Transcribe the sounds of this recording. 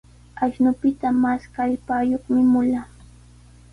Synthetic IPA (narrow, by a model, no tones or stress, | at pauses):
aʃnʊpɪt̪amaskaʎpaːjoχmɪmʊlaː